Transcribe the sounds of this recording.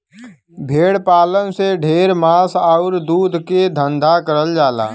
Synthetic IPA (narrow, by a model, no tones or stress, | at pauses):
bʱeːɽpaːlənseɖʱeːɾmaːsaʊɾd̪uːd̪ʱked̪ʱə̃nd̪ʱakəɾəld͡ʒaːla̰ː